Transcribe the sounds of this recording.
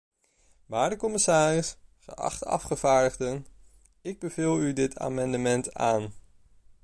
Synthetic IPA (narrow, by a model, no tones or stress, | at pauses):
ʋaːɹdəkɔməsaːrɪsχə̰ʔɑ̰χtɑ̰fχəvaːɹdəχdən | ɪɡ̚bəvɪlˠydɪtʰa̰ːmɑndəmɛnta̰ːn